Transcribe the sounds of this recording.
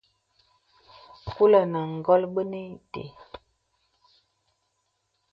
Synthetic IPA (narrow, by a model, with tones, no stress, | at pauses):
ku˦lə˨nə˨ŋ˨ɡɔ˦lbə˦ni˦tḛ˨